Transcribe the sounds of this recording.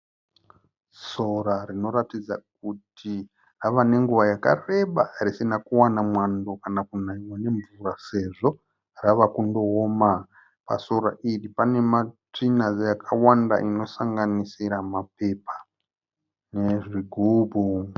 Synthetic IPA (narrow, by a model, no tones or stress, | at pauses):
so̞ɾarino̞ɾatid͡zak̚utʰi | raʋane̞ŋɡuʋajaka̰re̞ɓarisinakuwanamwando̞kanakunaɲwane̞ɱvurase̞ʐo̞ | raʋakundo̞ːma | pa̰so̞ɾa̰ʔiripane̞mat͡ʂinazejakʰawanda̰ʔino̞saŋɡanisiɾamape̞pa | ne̞ʐiɡʱuːbʱu